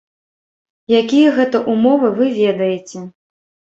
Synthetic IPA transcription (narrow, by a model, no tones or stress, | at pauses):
jakʲijɐɣɛt̪ɐʔumɔvɨvɨvʲɛd̪ɐjet͡sʲɛ